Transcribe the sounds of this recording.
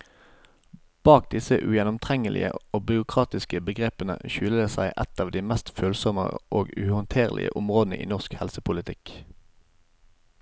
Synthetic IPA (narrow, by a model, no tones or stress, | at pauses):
b̥ɑːk̚d̪ɪsəʔʉ̰jɛnʊmt̪ʰʁɛŋəlʔɪ̰ə̰oːbʏʁʊkʰʁɑːt̪ɪskəbəɡʁeːpənə̰ʃʉːləd̪eːsæɪʔɛt̪ɑːʋd̪iːmæst̪føːlsɔmə̰ʔoːɡʉ̰hʊnt̪ʰeːʁlʔɪ̰ə̰ʔʊmʁoːd̪nə̰ʔḭːnɔʁskhɛlsəpʰʊlɪt̪ʰɪk